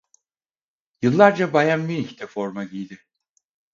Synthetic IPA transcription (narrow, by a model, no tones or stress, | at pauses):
jɯlˠːaɾd͡ʒabajamːiçt̪ʰɛfoɾmaɟijd̪ɪ